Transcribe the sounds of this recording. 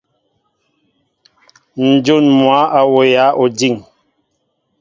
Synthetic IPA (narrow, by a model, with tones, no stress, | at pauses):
n̩˨d͡ʒo˦˨nmwa˨˦ʔa˨wo˨ja˨˦ʔo˨d͡ʒi˦˨ŋ